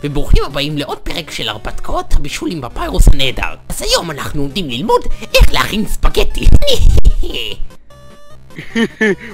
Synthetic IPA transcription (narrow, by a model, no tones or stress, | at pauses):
veboχimhabaimleʔo̞d̚peʁekʃela̰ʁpat̪kʰaothabiʃulimbapajʁoshaneeda̰ʁazhajo̞manaχnuomdimlilmodʔe̞χlehaχinspaɡeti